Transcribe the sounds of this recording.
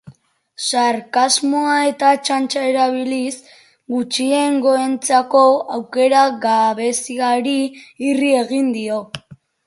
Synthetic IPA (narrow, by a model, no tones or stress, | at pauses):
saɾkazmoae̞t̪at͡ʃant͡ʃaeɾaβ̞ilis | ɡut͡ʃie̞ŋɡo̞e̞nt͡sako̞awke̞ɾaɣaβe̞siaɾiːrie̞ɣ̞ind̪io̞